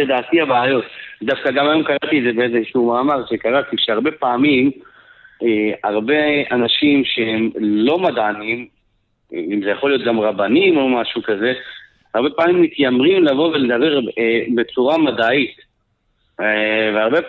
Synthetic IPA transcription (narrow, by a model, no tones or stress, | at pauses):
ed̪aːt̪ihabaːjo̞td̪afkaɡamajo̞mkaʁat̪iedzebeezeʃumaːmaʁʃekaʁat̪iʃeaʁbe̞paːmim | eaʁbe̞anaʃimʃehemlo̞madanim | imzejaχolijo̞t̪ɡamʁabanimo̞maʃukaze̞ | aʁbe̞paːmimːit̪jamʁimlavo̞veled̪abeʁebe̞t͡suʁamadait̪ | veaʁbe